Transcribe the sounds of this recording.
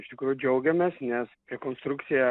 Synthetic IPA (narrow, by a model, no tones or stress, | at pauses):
ɪʃt̪ʲɪkɾuːjʊd͡ʒʲɛʊɡʲɛmʲeːsnʲɛsɾʲɛkoːnst̪ɾuk̪sʲɪjɛ